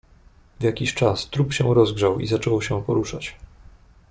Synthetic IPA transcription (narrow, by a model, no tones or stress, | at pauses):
vjakʲiɕt͡ʂast̪ɾupɕɛw̃ɾɔzɡʐawḭzat͡ʂɔwɕɛ̃pɔɾuʂat͡ɕ